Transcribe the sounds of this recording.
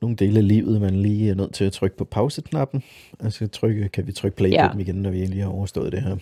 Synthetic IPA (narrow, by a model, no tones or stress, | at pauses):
no̝ːn̩d̥e̝ːləæliʊ̰ð̞̩ˠmænliːæɐnøð̰ˠt͡sʰe̝læt͡sʰʁœɡ̥̚pʰɒ̽pʰɑ̈ʊsəkʰnɑ̈b̥n̩ | æsɐt͡sʰʁœɡ̥əkʰæʋit͡sʰʁœɡ̥̚pʰleɡədmiɡenːɒʋie̝nliːhɑ̈ɒʊɐsd̥ɔ̽ːð̩ˠd̥e̝ɦæɐ̰